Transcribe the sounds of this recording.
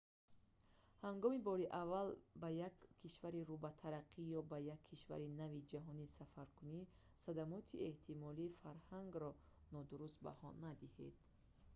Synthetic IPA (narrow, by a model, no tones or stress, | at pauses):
haŋɡɔmibɔɾiʔavalbajakʰːiʃvaɾiɾubat̪ʰaɾaqʰːijɔbajakʰːiʃva̰ɾinavid͡ʒaɦɔnisafaɾkuni | sad̪amɔt̪ʰie̞ht̪ʰimɔliːfaɾhaŋɡɾɔ | nɔd̪uɾust̪̚ba̰hɔ̰nːad̪ihed̪̥